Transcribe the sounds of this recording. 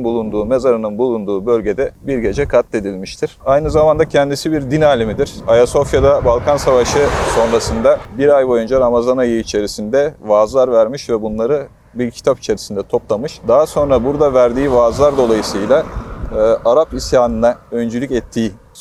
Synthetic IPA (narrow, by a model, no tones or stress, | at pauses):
bulˠund̪uːme̞zaɾɯnɯnbulˠund̪uːbø̞lʲɟe̞d̪ɛbiɾɟe̞d͡ʒɛkʰat̪ːe̞d̪ilʲmiʃt̪ʰiɾ̥ajnɯzamand̪acʰɛnd̪isibiɾd̪inaːlʲimid̪iɾ̥ajaso̞fjad̪abalˠkʰansavaʃɯso̞nɾasɯnd̪abiɾajbo̞jund͡ʒaɾamazanajɯit͡ʃʰe̞ɾisind̪ɛvaːzlˠaɾvæɾmiʃvɛbunlˠaɾɯ | biɾcʰi̥t̪ʰapi̥t͡ʃʰe̞ɾisind̪ɛt̪ʰo̞plˠamɯʃd̪aɦaso̞nɾabuɾd̪avæɾd̪iːvaːzlˠaɾd̪o̞lˠajɯsɯjlʲˠaː | ʔaɾapisjaːnɯnaø̞nd͡ʒylʲycɛt̪ʰːiː